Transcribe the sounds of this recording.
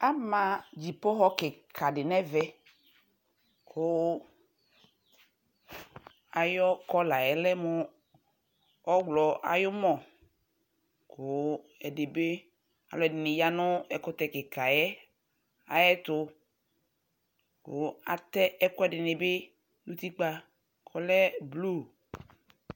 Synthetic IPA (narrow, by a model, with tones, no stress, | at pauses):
a˦mã˨d͡ʒi˨pɔ˦xɔ˦ke˨kʰa˨ɖɪ˨nɛ˦vɛ˦ | kʰo˦ | a˨jɔ˦kɔ˦la˨jɛ˨lɛ˦mo˦ | ɔ˦ɡlɔ˨ʔa̰˨jo˦mɔ̃˨ | ko˨˦ | ɛ˨dɪ˨be˦ | a̰˨lɔ˨ɛ˨dɪ˨nɪ˨ja˦nʊ˦ɛ˨kʊ˦t̪ɛ˨kɪ˨ka˨jɛ˦ | a̰˨jɛ˦t̪ʊ˧ | kʊ˨a˨t̪ɛ˦ɛ˦kʊ˦ɛ˦dɪ˨nɪ˨bɪ˦ | nũ˦t̪i˦k͡pa˦ | kʰɔ˦lɛ˦blu˦˨